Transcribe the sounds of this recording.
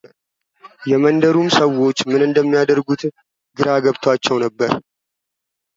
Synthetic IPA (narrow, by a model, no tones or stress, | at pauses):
jɛmənd̪əɾumsəwo̞t͡ʃːmɨnɨnd̪əmːijad̪əɾɡut̪ | ɡɨɾaɡəβt̪ʰwat͡ʃːɛwnəbːəɾ